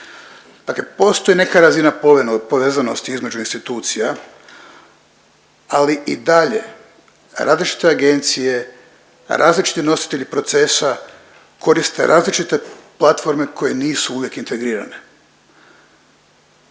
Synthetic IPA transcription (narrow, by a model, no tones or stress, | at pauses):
d̪̥akle̞po̞ːst̪o̞jene̞kaɾazinappo̞ʋe̞ːzano̞st̪iizme̞d͡ʒuinst̪it̪uːt̪sija | aliʔid̪aʎe̞̰ | ɾa̰ːzlit͡ʃi̥t̪e̞aɡe̞nt̪sije̞ | ɾʔa̰ːzlit͡ʃi̥t̪ino̞si̥t̪e̞ʎipɾo̞t̪se̞sa | kʰo̞ɾist̪e̞̰ɾʔaːzlit͡ʃit̪e̞plˠat̪fo̞ɾme̞kʰo̞je̞niːsuuʋje̞kint̪e̞ɡɾiːɾa̰ne̞